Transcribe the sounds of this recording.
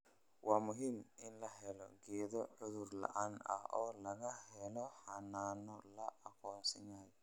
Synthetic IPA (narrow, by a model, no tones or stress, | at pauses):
wʔaːmʊɦimɪnlɐɦɛlɔ̰ɡɛːðɔʕʊðʊrlɐ̰ʔaːnɐ̰hɔːlɐɣɐhɛlɔhɐnaːnɔlɐʔɐkʰɔːnsɪnaːj